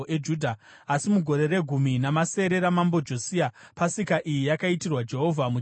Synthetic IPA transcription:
ʔed͡ʒudʱa | asimuɡʱo̞ɾe̞re̞ɡʱuminamase̞ɾe̞ɾamambo̞d͡ʒo̞siapasikaʔijijakaitirwad͡ʒe̞ɦo̞vʱamu

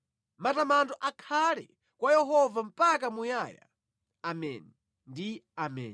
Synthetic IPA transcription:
matamantɔʔakʰalɛ̰ | kwajɛɦɔvam̩pakamujaːja̰ | amɛ̰ːnɛ | ndiamɛ̰ːn

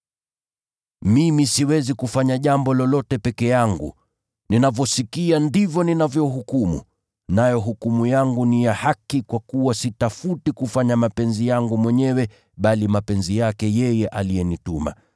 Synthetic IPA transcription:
mimisiwɛzikufaɲaʄambɔlɔlɔtɛpɛkɛjaŋɡṵ | ninavɔsikiandivjɔninavjɔuɦukumṵ | najɔɦukumujaŋɡunijahakikwakuwasitafutikufaɲamapɛnzijaŋɡumwɛɲɛwɛ | ɓalimapɛnzijakɛjɛjɛʔalijɛnituma̰

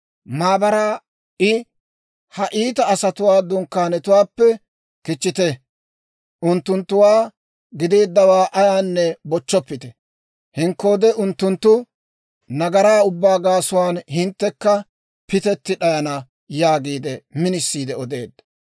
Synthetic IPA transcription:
maːbɐɾaː | ɪ | hɐʔiːt̪ɐːsɐt̪ʊwaːd̪ʊŋkːaːnɛt̪ʊwaːpːɛ | kɪt͡ʃːɪt̪ɛ | ʔʊnt̪ːʊnt̪ːʊwaː | ɡɪd̪eːd̪ːɐwaːʔɐjaːnːɛbɔt͡ʃːɔpːɪt̪ɛ | hɪŋkːo̞ːd̪ɛʔʊnt̪ːʊnt̪ːʊ | nɐɡɐɾaːʊbːaːɡaːsʊwaːnhɪnt̪ːɛkːɐ | pɪt̪ɛt̪ːɪɗɐjɐnɐ | jaːɡiːd̪ɛmɪnɪsːiːd̪ɛɔd̪e̞̰ːd̪ːɐ

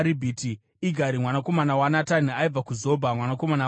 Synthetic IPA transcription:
ɾibʱiːti | iɡʱaɾimwanako̞manawanatan̤iaib͡vakuzo̞bʱamwanako̞mana

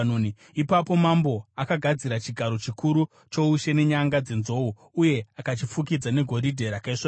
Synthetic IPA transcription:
ni | ipapo̞mambo̞akaɡʱad͡ziɾat͡ʃiɡʱaɾo̞t͡ʃikuɾu | t͡ʃo̞uʃe̞ne̞ɲaŋɡad͡ze̞nzo̞u | uje̞akat͡ʃifukid͡zane̞ɡʱo̞ɾidʱe̞ɾakaiʂa

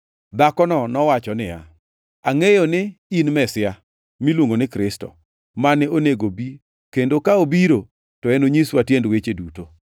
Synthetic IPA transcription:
d̪akɔnɔnɔwat͡ʃɔnɪja̰ | aŋejonɪinmɛsɪa | milwoŋɡonɪkɾɪstɔ̰ | manɪoneɡobi | kendokaobiɾo | tɔɛnoɲiswatjendwet͡ʃeduto

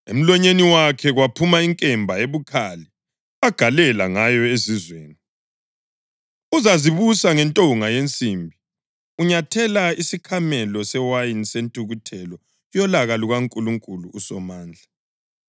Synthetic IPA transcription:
ḛm̩lɔɲeniwakʰɛɣwapʰumaiŋkʼɛmbʱaeβukʰali | aɡ̥ʱalɛlaŋajɔezizwḛːni | uzaziβusaŋɛntʼoŋajent͡sʼimbʱi | uɲatʰɛlaisikʰamɛlɔsɛwajinsentʼuɣutʰɛlɔ | jɔlaɣaluɣaŋkʼuluŋkʼuluːsɔmaːnd͡ɮʱa

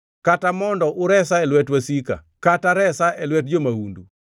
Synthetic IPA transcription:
katamɔndɔʔʊɾɛsaɛlwɛtwasika̰ | kataɾɛsaʔɛlwɛt̚d͡ʒomaundṵ

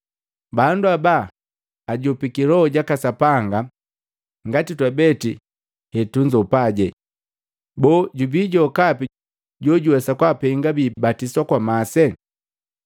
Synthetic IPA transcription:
banduabaː | ɟɔpikilɔɟakasapaŋɡa | ŋɡatitwabɛti | hɛtuɲd͡ʒɔpaɟɛ | bɔːɟubiɟɔkapi | ɟɔɟuwɛsakwapɛŋɡabiːbatiswakwamasɛ

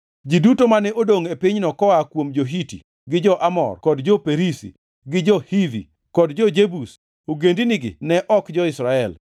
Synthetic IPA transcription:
d͡ʒidutomanɛʔodoŋepɪɲnɔkɔakwomd͡ʒoɦitḭ | ɡɪd͡ʒɔʔamɔ̰rkɔdd͡ʒɔpeɾisḭ | ɡɪd͡ʒɔhivḭ | kɔdd͡ʒɔd͡ʒebus | oɡendiniɡɪ̰nɛʔɔkd͡ʒɔɪsɾaɛl

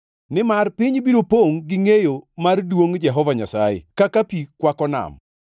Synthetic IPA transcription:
nɪmarpɪɲbiɾopoŋɡɪŋejomardwoŋd͡ʒɛɦɔvaɲasajḛkakapikwakɔna̰m

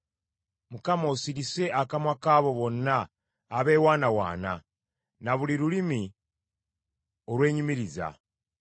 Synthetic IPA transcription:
mukamosiɾise̞ʔakamwakaːβo̞βo̞nːaː | βe̞ːwaːnawa̰ːna̰ | naβuliɾulimi | o̞ɾwe̞ːɲimiɾiza̰

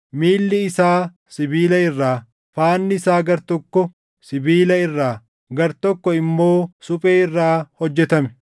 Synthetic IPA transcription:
miːlːɪɪsaː | sɪbiːlɐɪrːaː | faːnːɪɪsaːɡɐɾt̪ɔkːɔ | sɪbiːlɐɪrːaː | ɡɐɾt̪ɔkːɔɪmːo̞ːsʊpʼeːɪrːaːhɔd͡ʒːɛt̪ɐmɛ̥

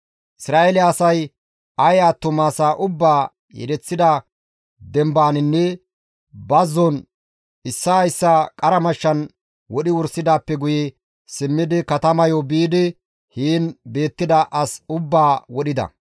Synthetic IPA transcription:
ʔɪsɾaːʔelɪːsɐj | ɐjaːt̪ːʊmaːsaːʔʊbːaː | jɛ̰ɾɛt͡sːɪd̪ɐ | d̪ɛmbaːnɪnːɛ | bɐzːɔn | ɪsːajsːakʼɐɾɐmɐʃːɐn | wɔɗɪwʊɾsɪd̪aːpːɛɡʊjɛ | sɪmːɪd̪ɪkɐt̪ɐmɐjɔbiːd̪ɪ | hiːnbe̞ːt̪ːɪd̪ɐʔɐsʊbːaːwɔɗɪd̪ɐ̰

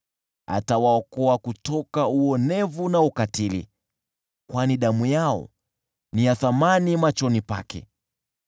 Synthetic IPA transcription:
a̰tawaɔkɔakutɔkauɔnɛvunaukatilḭ | kwaniɗamujaɔ̰ | nijaθamanimat͡ʃɔnipa̰kɛ̰

